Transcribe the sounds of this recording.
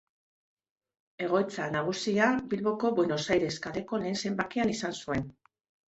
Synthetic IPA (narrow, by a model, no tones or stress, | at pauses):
e̞ɣ̞o̞jt͡sanaɣ̞usiabilβo̞ko̞βwe̞no̞sajɾe̞skale̞ko̞le̞ːnse̞mbakeanisansue̞n